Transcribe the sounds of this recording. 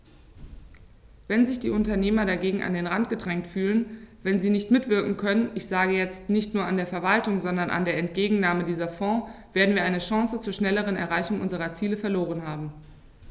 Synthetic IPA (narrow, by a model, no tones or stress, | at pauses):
vɛnzɪçd̥ḭːʔʊntɐneːmɐɾaɡeːɡŋ̩ʔa̰ndeːnʁantɡ̥ədʁɛŋtfyːlənvɛnziːnɪçtmɪtv̥ɪɐkŋ̩kʰœnənʔɪçz̥aːɡəjɛt͡stnɪçtnuːɐandeːɐfɛɐvaltʊŋzɔndɐnʔa̰ndeːɐɛntɡ̥eːɡŋ̩naːmədiːzɐfɔ̃ːv̥eːɐdn̩viɐʔaɪnəʃɑ̃ŋsət͡suːɐʃnɛləʁ̞ənɛ̰ɐʁaɪçʊŋʔʊnzəʁɐt͡siːləfɛɐloːʁ̞ənɦaːbm̩